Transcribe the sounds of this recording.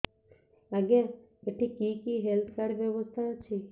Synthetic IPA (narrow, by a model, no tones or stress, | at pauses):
aɡã | eʈʰĩkikiɦelt̪ʰkaɾʋjəʋəst̪ʰat͡ʃʰi